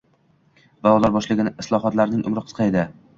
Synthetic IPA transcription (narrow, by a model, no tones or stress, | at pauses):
valˠɒd̪aɾbɒʃlɪɡʲɪnɪɪslˠɒɦɒt̪laɾnɪŋʔʊ̰mɾɪqʰɨ̥qʰɑed̪ɪ